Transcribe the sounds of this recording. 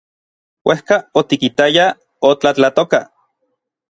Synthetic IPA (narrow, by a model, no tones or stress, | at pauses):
wʔehkaot̪ikit̪aja | ot͡ɬat͡ɬat̪oka